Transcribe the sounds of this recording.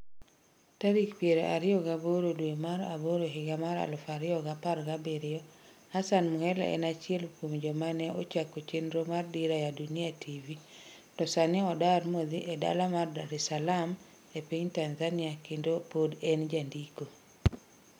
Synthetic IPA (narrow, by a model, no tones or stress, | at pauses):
taɾikpjeɾeʔa̰ɾɪɔɡaboɾodwemaɾa̰boɾoɦɪɡamaɾa̰lfaɾɪɔɡapaɾɡabeɾɪɔ | hasanmuhɛl̰ɛ̰nat͡ʃɪɛlkwomd͡ʒomanɛot͡ʃakot͡ʃenɾomardiɾajadunɪatʰivi | tɔsaniɔdarmod̪iʔɛda̰lamardaɾɛsalam | epiɲtanzaniakendopodɛnd͡ʒandiko